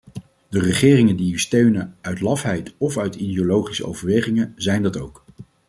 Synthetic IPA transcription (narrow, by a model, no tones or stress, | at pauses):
dərəχɪːrɪŋəndiystøɥnəœɥtlɑfɦɛjtɔfœɥtidiolowχisə̰o̰wvəɹʋejχɪŋəzɛjndɑtowk